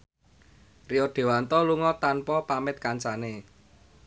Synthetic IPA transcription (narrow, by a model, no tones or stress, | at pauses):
riɔɖ̪̥e̤want̪ɔluŋɔt̪anpɔpamɪt̪̚kant͡ʃane